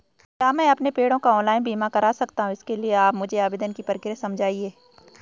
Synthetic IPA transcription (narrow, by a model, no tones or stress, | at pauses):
kjaːmɛ̃ɐpnepeːɽõkaɔ̃ːnlaːɪnbʱiːmakɐɾaːsɐkt̪aɦũɪskelieaːpmʊd͡ʒʱeaːbeːd̪ənkipɐɾkɪɾjasɐmd͡ʒʱaːieː